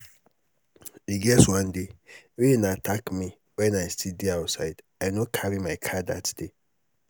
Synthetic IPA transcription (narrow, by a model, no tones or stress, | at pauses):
iɡɛswãndeɾinatʰakmi | wɛ̃naɪstʰidiaʊtsaɪdaɪnokʰaɾimaɪkʰada̰td̥e